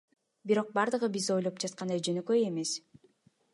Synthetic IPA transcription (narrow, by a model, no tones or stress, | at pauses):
biɾo̞q̚bɑɾd̪ɯʁɯbizo̞jlˠop̚d͡ʒɑt̪̚qɑnd̪ɑjd͡ʒønøkøje̞me̞s